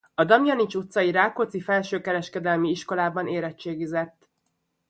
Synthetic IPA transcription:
ɒd̪ɒmjɒnit͡ʃut̪sɒjiɾaːkot̪sifɛlʃøːkɛɾɛʃkɛd̪ɛlmiiʃko̞laːbɒneːɾɛt͡ʃːeːɡizɛt̪ː

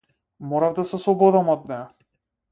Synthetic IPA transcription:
mɔɾavd̪asɛsɔbɔd̪amɔd̪̚nɛ

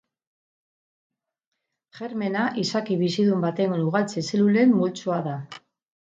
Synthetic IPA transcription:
ʝe̞ɾme̞naʔisakiβisiðumbat̪e̞ŋnuɣalt͡seselule̞mːult͡suaða

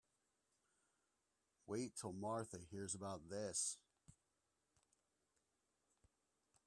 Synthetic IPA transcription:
weɪtʰəlˠmɑɹθəhiɹzəbaʊt̪̚ðɪs

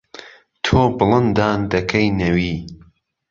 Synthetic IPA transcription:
t̪ʰoːbɨlˠɨnd̪aːnd̪ɐkʰɐjnɐwiː

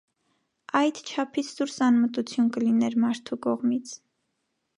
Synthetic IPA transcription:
ɑjd̪t͡ʃʰɑpʰit͡sʰd̪uɾsɑnmət̪ut͡sʰjunkəlinɛɾmɑɾt̪ʰukɔʁmit͡sʰ

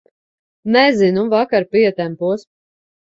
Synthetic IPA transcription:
nɛzinuvakaɾpiɛt̪ɛmpuɔs

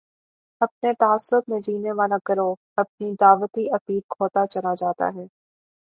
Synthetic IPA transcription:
ɐp̚net̪aːslət̪mẽd͡ʒiːneʋaːlakɐɾo | ɐp̚nid̪aːʋət̪iʔɐpiːlkʰoːt̪at͡ʃɐlad͡ʒaːt̪a̰ɦɛː

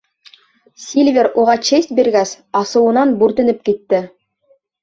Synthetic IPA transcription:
sʲilʲvʲeɾuʁɑt͡ɕest̪̚biɾɡæs | ɑsɤ̆wɤ̆nɑnbʉɾt̪ɘ̆nɘp̚kit̪ːɘ

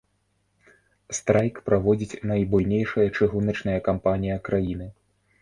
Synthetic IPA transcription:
st̪ɾajkpɾavɔd͡zʲit͡sʲnɐjbujnʲejʂɐjɐt͡ʂɨɣunɐt͡ʂnɐjɐkampanʲijɐkɾajinɨ

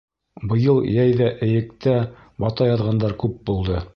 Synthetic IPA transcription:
bɤ̆jɤlˠjæjðæʔɘ̆jɘ̆kt̪æ | bɑt̪ɑjɑðʁɑnd̪ɑɾkʉp̚bulˠd̪ɤ

